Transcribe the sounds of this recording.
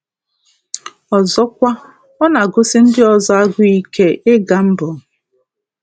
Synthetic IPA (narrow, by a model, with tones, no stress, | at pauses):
ɔ˨zɔ˦kʷa˦ | ɔ˦na˨ɡʊ˦sɪ˦n̩˦dɪ˦ɔ˨zɔ˦a˦ɡʊ˦i˦ke˦ʔɪ˦ɡa˨m̩˦bʊ˨